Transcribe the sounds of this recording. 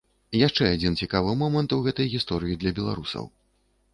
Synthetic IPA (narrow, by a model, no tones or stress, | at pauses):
jaʂt͡ʂɛad͡zʲint͡sʲikavɨmɔmɐnt̪uɣɛt̪ɐjɣʲist̪ɔɾɨjid̪lʲɐbʲɛlˠa̰ɾusɐ̰w